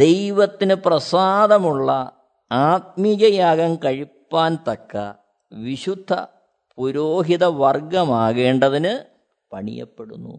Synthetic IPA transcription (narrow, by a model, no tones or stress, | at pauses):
d̪̥e̞jʋɐt̪ːinɨprɐsaːd̪ɐmuɭːɐ | aːt̪̚miɣɐjaːɣɐmkɐɻipːaːnt̪ɐkːɐ̰ | ʋiɕud̪ʱːɐ̰ | puɾoːɦiðɐʋɐrɡɐmaːɣe̞ːɳɖɐðinɨ | pɐɳḭjɐ̰pːe̞ɽṵnːṵ